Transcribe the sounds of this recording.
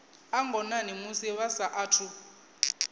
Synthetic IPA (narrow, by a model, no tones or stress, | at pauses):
aŋɡʱɔnanimusiβasaʔaːtʰu